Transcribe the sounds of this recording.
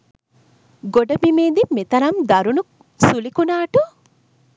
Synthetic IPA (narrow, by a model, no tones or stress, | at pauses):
ɡoɖɐbimeːd̪imet̪ɐɾɐmd̪ɐɾunu | sulikunaːʈu